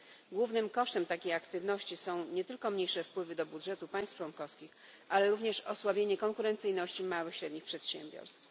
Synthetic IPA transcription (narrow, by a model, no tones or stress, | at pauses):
ɡwuvnɘmkɔʂt̪ɛmt̪akʲejakt̪ɘvnɔɕt͡ɕisɔ̃w̃ɲɛt̪ɘlkɔmɲejʂɛfpwɘvɘd̪ɔbudʐɛt̪upaj̃st̪ft͡ʂwɔnkɔfskʲix | ʔalɛɾuvɲɛʂɔswabʲjeɲɛkɔŋkuɾɛnt̪sɘjnɔɕt͡ɕimawɘxɕɾɛd̪ɲixpʂɛt̪ɕembʲjɔ̰ɾst̪f